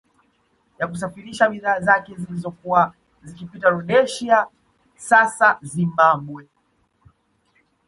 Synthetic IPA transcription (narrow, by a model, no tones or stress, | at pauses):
jakus̬afiɾiʃaɓiðaːzakɛzilizɔkuwa | zikipitaɾɔɗɛʃia | sasazimambwɛ